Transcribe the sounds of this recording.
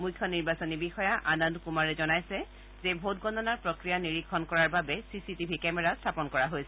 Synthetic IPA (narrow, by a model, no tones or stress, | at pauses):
mujkʰːjɔniɹbasonibixɔjaʔanɔndkumaɹɛzɔnajsɛ | zebʱot̚ɡɔndɔnaɹpɹɔkɹijaniɹikʰːɔnkɔɹaɹbabɛsisitibʱikɛmɛɹastʰapɔnkɔɹaɦojsɛ